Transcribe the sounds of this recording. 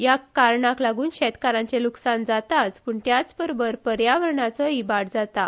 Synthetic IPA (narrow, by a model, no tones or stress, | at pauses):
jakaɾɳaklaɡuːnɕɛt̪kaɾãɲt͡ɕeluksand͡zat̪at͡spəːɳt̪jat͡sbəɾobəɾpəɾjaʋəɾɳat͡sɔibaʈd͡zat̪a